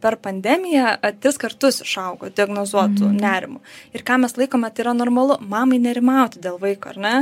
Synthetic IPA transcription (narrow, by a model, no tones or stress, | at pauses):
pʲɛɾpɐnʲd̪ʲɛːmʲɪjɛt̪ʲɾʲɪskɐrt̪ʊsɪʃɐʊɡoːd̪ʲɪɐɡnoːzuɔt̪ʊ̰nʲæːɾʲɪmʊɪrkɑːmʲɛslˠɐɪkoːmʲɛt̪ɐɪiːɾɐnoːrmɐlˠʊmɑːmɐɪnʲɛɾʲɪmɐʊt̪ʲɪd̪ʲeːlˠʋɐɪkoːɐ̰rnʲɛ